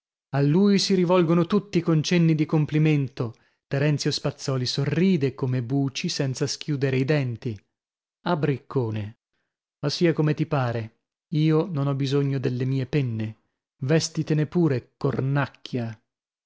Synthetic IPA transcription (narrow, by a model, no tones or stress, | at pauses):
alːuːjsiɾivɔlɡonot̪ut̪ːikont͡ʃɛnːid̪ikompliment̪o | t̪eɾɛnt̪sjospat̪sːɔːlisorːiːd̪ekomebuːt͡ʃisɛnt̪sask̟juːd̪eɾeid̪ɛnt̪i | abɾikːoːne | masːiːakomet̪ipaːɾe | iːononɔbizoɲːod̪elːemiːepɛnːe | vɛst̪it̪enepːuːɾekornakːja